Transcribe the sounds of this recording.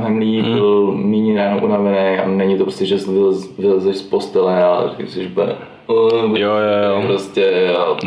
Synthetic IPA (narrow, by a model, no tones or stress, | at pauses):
ɦɛmliiːbɪlniɲinajɛnomʔunavɛnɛja̰nɛɲɪt̪opɾoscɛt͡ʃast̪vɪlzvɪlɛzɛʃspost̪ɛlɛalɛ̰ɾɛkɪsɪʒbɛ | jojopɾoscɛ